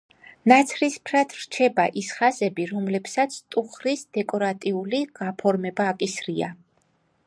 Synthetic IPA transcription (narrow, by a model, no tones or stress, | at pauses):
nat̪sʰɾispʰɾat̪ʰɾt͡ʃʰɛbaʔisχazɛbiɾɔmlɛpsat̪sʰt̪ʼuχɾisd̪ɛkʼɔɾat̪ʼiuliɡ̥apʰɔɾmɛbaːkʼisɾia̰